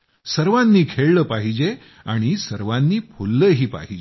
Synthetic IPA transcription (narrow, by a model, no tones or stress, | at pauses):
səɾʋanːiːkʰeɭləːpaɦid͡ʑe | aɽ̃isəɾʋãnːiːpʰolːəːɦiːpa̰ɦid͡ʑe